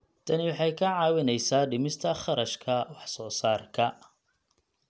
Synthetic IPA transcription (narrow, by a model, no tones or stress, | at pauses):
t̪ʰɐnɪwɑħɑjkʰɐʕɑːwɪnɛjsaːɖɪmɪst̪ʰɐχɑɾɐʃkʰɐwɑħsɔːsaːrkʰɐ